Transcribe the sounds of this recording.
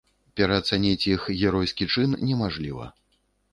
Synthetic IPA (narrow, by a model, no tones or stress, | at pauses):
pʲɛɾɐːt̪sanʲɛt͡sʲjixɣʲɛɾɔjskʲit͡ʂɨnnʲɛmaʐlʲivɐ̰